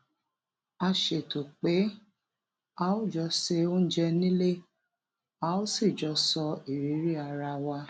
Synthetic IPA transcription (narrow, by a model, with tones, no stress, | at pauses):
a˧ʃe˨to˨k͡pe˨˦ | a˦o˦˨d͡ʒɔ˧se˧o˦n̩˦d͡ʒɛ˧nĩ˦le˦ | a˧˦o˦si˦˨d͡ʒɔ˧sɔ˧i˨ɾi˨˦ɾi˦a˧ɾa˧wa˧˦